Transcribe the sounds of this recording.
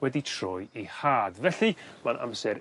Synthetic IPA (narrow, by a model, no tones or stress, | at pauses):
wɛditʰrɔjihaːdvɛɬimanʔa̰msɛɾ